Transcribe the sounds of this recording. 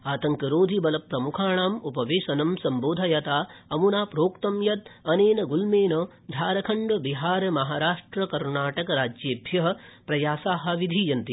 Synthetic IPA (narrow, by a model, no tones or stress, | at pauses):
aːt̪ɐŋkɐɾoːd̪ʱibɐlɐpːɾɐmukʰaːɳaːmupɐʋeːʃɐnɐmsɐmboːd̪ʱɐjɐt̪aːɐmunaːpɾoːkt̪ɐmjɐt̪̚ɐneːnɐɡulmeːnɐ | d̪ʱaːɾɐkʰɐɳɖʋɐbiɦaːɾɐmɐɦaːɾaːʂʈɾɐkɐɾnaːʈɐkɐɾaːd͡ʒjeːbʱjɐɦɐ̆pɾɐjaːsaːɦɐ̆ʋid̪ʱijɐnt̪i